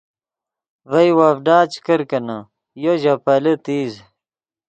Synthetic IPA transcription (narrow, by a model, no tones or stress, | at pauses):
vɐjwaːfɖaːt͡ɕkɐɾkɐna | joʑɐpɐlɐt̪iːz